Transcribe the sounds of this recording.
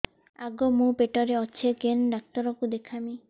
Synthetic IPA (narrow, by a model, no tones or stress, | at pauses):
aɡomũpeʈɔɾeɔt͡ʃʰekenɖak̚t̪ɔɾɔkud̪ekʰami